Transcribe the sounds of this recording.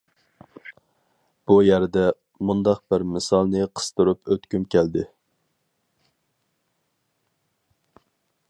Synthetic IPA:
b̥ujæɾd̪ɛ | mund̪ɑq̚b̥ɪɾmɨsɑlˠnɨqʰə̥st̪ɨɾupʰøt̪kʲymkʲʰɛld̪ɪ

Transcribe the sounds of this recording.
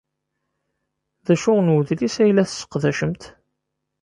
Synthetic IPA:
ðæʃʊʁnwðlisæjlæθsːə̥qðæʃəmt̪

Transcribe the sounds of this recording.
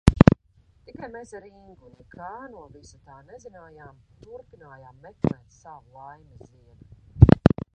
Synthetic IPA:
t̪ikajmesaɾiŋɡunɛkʰaːnuɔvisat̪aːnɛzinaːjaːmt̪uɾpinaːjaːmːɛklɛːt̪savulˠajmiziɛna

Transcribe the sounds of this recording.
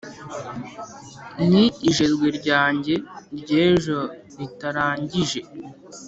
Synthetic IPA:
n̥iːʒe̞zɡweɾɟaːɲɟe̞ɾɟeːʒo̞ | ɾitaɾaːɲɟiʒe̞

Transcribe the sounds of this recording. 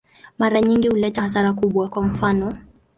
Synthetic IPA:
maɾaɲiŋɡihulɛtahaθaɾakuɓwakwam̩fanɔ

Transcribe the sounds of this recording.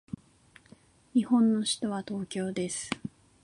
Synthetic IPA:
ɲihõ̞nːo̞ɕi̥t̪o̞βat̪o̞ːkʲo̞ːd̪e̞sɨ̥

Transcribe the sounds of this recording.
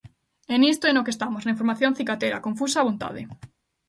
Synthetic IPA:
enist̪oenokest̪amosnaĩɱfoɾmaθjõn̟θikat̪eɾa̰kõɱfusaːβont̪a̰ðɪ̰

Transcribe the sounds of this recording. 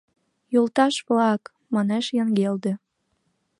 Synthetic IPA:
jolt̪ɑʃβlɑk | mɑneʃjəŋɡeld̪ĕ

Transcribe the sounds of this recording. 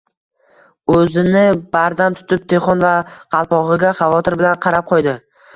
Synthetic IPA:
ɵzɪnɪbaɾd̪amt̪ʰʊ̥t̪ʰɪp̚t̪ʰe̞χɒnvaqʰɑlˠpɒʁɨɡʲaχɑvɒt̪ʰɪɾbɪlanqʰɑɾap̚qʰɒjd̪ɪ

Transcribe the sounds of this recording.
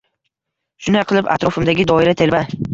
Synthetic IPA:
ʃʊnajqʰɨlˠɪpa̰t̪ɾɒfɪmd̪aɡʲɪd̪ɒɪɾat̪ʰe̞lba

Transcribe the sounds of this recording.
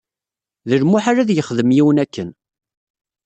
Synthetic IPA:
ðəɾmʊħaɾaðjəχðəmjiwənækːən

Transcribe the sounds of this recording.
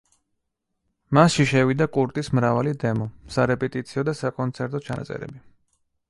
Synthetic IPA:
masʃiʃɛvid̪akʼuɾt̪ʼismɾavalid̪ɛmɔsaɾɛpʼɛt̪ʼit̪sʰiɔd̪asakʼɔnt̪sʰɛɾt̪ʼɔt͡ʃʰana̰t̪sʼɛ̰ɾɛ̰bi

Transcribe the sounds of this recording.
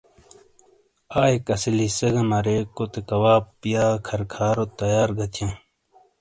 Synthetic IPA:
aːekɐsilisɐɡɐmɐɾekot̪ekɐwaːpːijaːkʰɐɾkʰaːɾot̪ɐjaːɾɡɐt̪ʰjẽ

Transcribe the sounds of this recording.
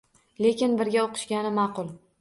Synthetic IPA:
le̞kʲɪnbɪɾɡʲaoqʰɨ̥ʃɡʲanɪmɑqʊlˠ

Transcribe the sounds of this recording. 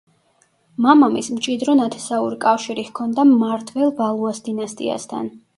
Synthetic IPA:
mamamismt͡ʃʼid̪ɾɔnat̪ʰɛ̥sauɾikʼafʃiɾihkʰɔnd̪amaɾt̪ʰvɛlˠbalˠuasd̪inast̪ʼḭa̰st̪ʰa̰n

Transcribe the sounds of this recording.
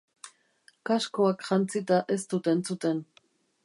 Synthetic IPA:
kasko̞akʝant͡sit̪aʔe̞st̪ut̪e̞nt͡sut̪e̞n

